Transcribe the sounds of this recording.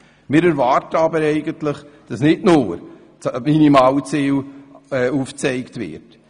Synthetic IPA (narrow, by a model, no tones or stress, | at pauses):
mɪːɾɛɾvɑːɾtəɑbəɾɛɪɡəntləχd̥ɑsnɪdnʊːɾ | minimɑːwt͡siːlɛuːft͡sɛɪktvɪ̰ɾt